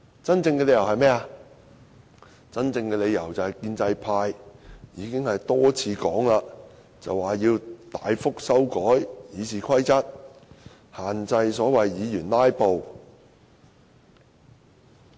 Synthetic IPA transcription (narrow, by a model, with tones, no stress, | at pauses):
t͡sɐ˥nt͡sɪ˧ŋkɛ˧le˨˧jɐ˨˩wɦɐ˨jmɛː˥a˧ | t͡sɐ˥nt͡sɪ˧ŋkɛː˧le˨˧jɐ˨˩wt͡sɐ˨whɐ˨˩jkiː˧nt͡sɐ˧jpʰaː˧jjiː˨˧kɪ˥ŋhɐ˨jt̪ɔː˥t͡sʰiː˧kɔː˨˥ŋlaː˧ | t͡sɐ̰˨waː˨˩jiː˧wt̪aː˨jfʊ˥k̚sɐ˥wkɔː˨˥jjiː˨˧t͡sʰiː˨˩kʰɐ˥jt͡sɐ˥t̚ | haː˨nt͡sɐ˧jsɔː˨˥wɐ˨jːiː˨˧jyː˨˩nlaː˥jpo˨w